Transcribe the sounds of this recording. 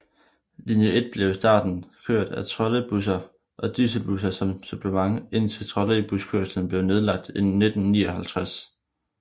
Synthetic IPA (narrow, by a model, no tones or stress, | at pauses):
linjəʔe̝d̥̚b̥le̝ʊsd̥ɑ̰̈ːd̥n̩kʰøɐ̰d̥æt͡sʰʁɒ̽ləb̥us̬ɐ | ʔɒ̽d̥is̬əb̥usɐsɒ̽msub̥ləmɑ̈ŋe̝n̰t͡sʰe̝lt͡sʰʁɒ̽leb̥uskʰøɐsln̩b̥le̝ʊne̝ð̞ˠlɑ̈ɡ̥̚d̥e̝nːe̝d̥n̩niːɒɦælt͡sʰʁas